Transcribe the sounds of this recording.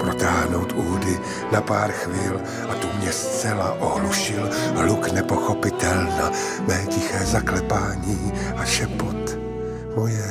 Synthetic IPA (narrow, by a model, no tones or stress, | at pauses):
pɾot̪aːɦno̞wt̪uːdɪ | napaːɾxviːl | ʔad̪omɲɛst͡sɛlaʔoɦluʃɪlɦluknɛpo̞xo̞pɪt̪ɛlna | mɛːcɪxɛːzaklɛpaːɲiː | ʔaʃɛpot̪ | vojɛ